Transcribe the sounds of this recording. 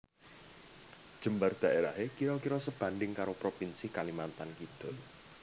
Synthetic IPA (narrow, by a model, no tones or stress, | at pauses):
d̥ʒ̥ə̤mbard̪̥ä̤ʔeɾaɦekiɾɔkiɾɔsəb̥ä̤nd̪ɪŋkaɾopɾopinsikalimant̪ankid̪̥ɔ̤